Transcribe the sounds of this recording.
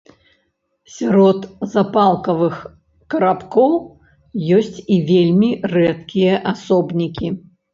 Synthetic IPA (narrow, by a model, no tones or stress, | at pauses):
sʲaɾɔt̪zapalˠkɐvɨx | kɐɾapkɔw | jɔsʲt͡sʲivʲelʲmʲirɛt̪kʲijɐʔasɔbnʲikʲi